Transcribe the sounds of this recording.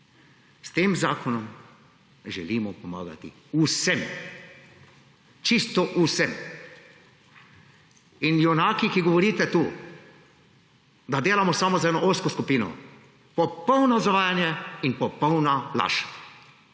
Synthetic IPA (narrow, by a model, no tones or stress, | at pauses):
st̪eːmzaːkɔnɔm | ʒɛlimɔpɔma̰ːɡa̰t̪ḭ | usɛm | t͡ʃist̪ɔʔusɛm | injɛwnaːkikiɡɔʋɔɾiːt̪ɛt̪uː | d̪ad̪eːlamɔsamɔzaɛːnɔʔoskɔskupiːnɔ̰ | pɔpɔwnɔzaʋaːjanjɛinpɔpɔwnala̰ːʃḁ